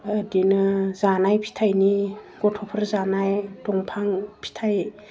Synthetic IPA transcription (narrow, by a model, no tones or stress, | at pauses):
adinɯzanajpʰi̥tʰajniɡ̥ɔtʰɔpʰɯɾzanajtɔŋpʰaŋpʰi̥tʰaj